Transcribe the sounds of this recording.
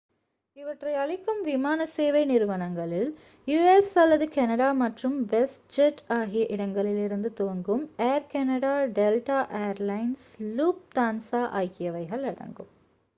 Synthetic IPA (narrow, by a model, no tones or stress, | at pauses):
ɪʋɐʈrɐɪɐɻɪkːɯmʋɪmaːnɐseːʋɐɪnɪɾɯʋɐnɐŋɡɐɭɪl | juːesɐlːɐðɯkɛnɐɽaːmɐʈrɯmʋɛsʈ̚d͡ʒɛʈːaːɣɪjɐʔɪɽɐŋɡɐɭɪlɪɾɯnd̪ɯt̪oːŋɡɯmeːɾkɛnɐɽaːɖɛlʈaːʔejɐɾlɐɪnsluːp̚d̪aːnsaːʔa̰ːjkːɪjɐʋɐɪɣɐɭɐɽɐ̰ŋɡɯm